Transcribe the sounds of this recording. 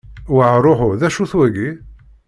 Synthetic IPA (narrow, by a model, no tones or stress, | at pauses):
wəʕɾˤoħʊðæʃuθwæɡi